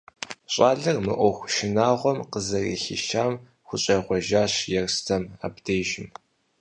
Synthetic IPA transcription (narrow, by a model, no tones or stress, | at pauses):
ɕʼaːɮɨrmɨ̰ʔʷɔxʷʃɪnaːʁʷɔmqəzɐrḭːɬɪ̰ʃaːm | xʷʊɕʼɐʁʷɔʒaːɕjɛrstʰɐma̰ːbdeːʒɪm